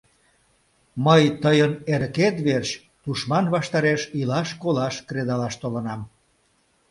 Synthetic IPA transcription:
məjt̪əjəneɾket̪βerɕ | t̪uʃmɑnβɑʃt̪ɑɾeʃilɑʃkolɑʃkɾed̪ɑlɑʃt̪olənɑm

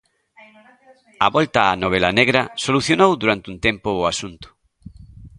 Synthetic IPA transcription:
aβɔlt̪aːnoβ̞elaneɣɾasoluθjonowðuɾant̪unt̪empʊːasunt̪ʊ̥

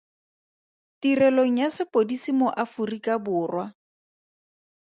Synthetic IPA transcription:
tirɛloŋ̩jasɪpodisimʊʔafurikabʊːrwa

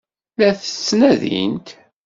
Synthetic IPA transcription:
læθə̥t͡sːnæðḭnt̪

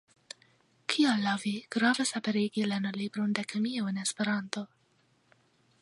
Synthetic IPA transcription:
kʰialːaviɡ̥ɾavesapeɾiɡilenolibɾond̪ekemioenespeɾanto̞

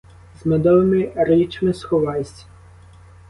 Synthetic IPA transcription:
zmɛd̪ɔʋɪmɪɾɪt͡ʃmɪsxɔʋɑjsʲɐ̥

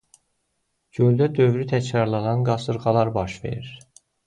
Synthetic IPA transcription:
ɟøld̪æd̪øvɾyt̪ʰæcɾɑɾlˠɑd̪ɑnɡɑsɯɾɣɑlˠɑɾbɑʃve̞̰ɾiɾ

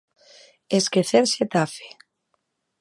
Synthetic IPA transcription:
eskeθeɾset̪afe̥

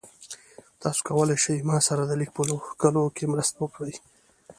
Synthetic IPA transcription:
t̪ɑso̥kawəlajʃəjmɑsaɾad̪əlik̚pulokalokemɾəst̪awəkɽəj

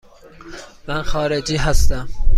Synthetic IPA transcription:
mænxɒːɾed͡ʒiːɦæst̪æm

